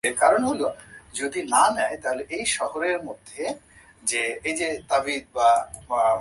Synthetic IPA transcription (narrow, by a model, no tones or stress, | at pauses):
eɾkaɾonɦolod͡ʑod̪inanɛet̪aɦoleʔejʃɔhoɾeɾmod̪ʱːe | d͡ʑeejd͡ʑet̪abit̪̚ba